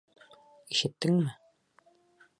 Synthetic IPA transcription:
iʃɘ̆t̪ːɘŋmɘ

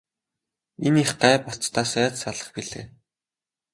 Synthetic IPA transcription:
eniχɢæːpɔɬt͡st̪ʰaːsæːt͡ssaɮə̆χpiɮḛː

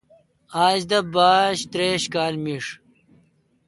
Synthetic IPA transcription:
aːd͡ʑd̪ɐbaːɕt̪ɾeːɕkaːlmiʂ

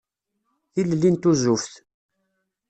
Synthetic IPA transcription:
θillːint̪uzufθ

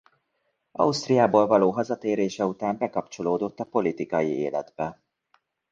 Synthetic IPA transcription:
ɒ̰ust̪rijaːboːlvɒloːɦɒzɒt̪eːɾeːʃɛut̪aːmbɛkɒpt͡ʃo̞loːd̪o̞t̪ːɒpo̞lit̪ikɒjḭḛːlɛ̰d̪bɛ

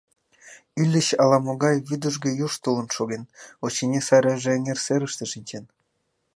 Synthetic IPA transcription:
ylʲːə̆ɕɑlɑmoɣɑjβyd̪ə̆ʒɡĕjuʃt̪ulˠə̆nʃoɣenot͡ɕenʲesɑɾeʒĕːŋerseɾəʃt̪ĕʃinʲt͡ɕen

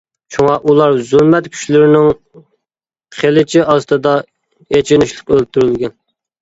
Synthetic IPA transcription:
t͡ʃʰuŋɑʔulˠɑɾzylˠmɛt̪kʲʰy̥t͡ʃlɪɾɪnɪŋ | χʰelɪt͡ʃʰiɪʔɑst̪ɨd̪ɑ | jet͡ʃʰɪnɪʃlˠəqølt̪ʰyɾylɡʲɛn

